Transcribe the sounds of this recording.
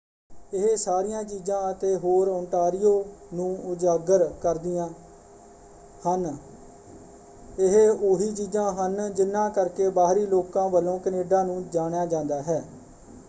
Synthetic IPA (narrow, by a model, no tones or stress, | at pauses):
ɪɦesaːɾɪjãːt͡ʃiːd͡ʒãːət̪eːɦoːɾɔ̃ːɳʈaːɾɪjoːnũːʊd͡ʒaːɡəɾkəɾd̪ɪjãː | hən | ɪɦeoɦiːt͡ʃiːd͡ʒãːɦənd͡ʒɪnːãːkəɾkeːbaːɦɾiːloːkãːʋəlõːkəneːɖãːnũːd͡ʒaːɳjaːd͡ʒãːnd̪aːɦɛː